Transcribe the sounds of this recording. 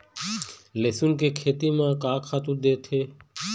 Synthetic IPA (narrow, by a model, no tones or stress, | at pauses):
leːsunkeːkʰeːt̪iːmãːkãːkʰaːt̪ũd̪eːt̪ʰeː